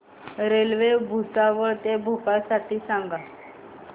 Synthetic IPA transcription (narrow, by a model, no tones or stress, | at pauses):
ɾelʋebʱusaʋəɭt̪ebʱukaɭsaʈʰiːsaŋɡa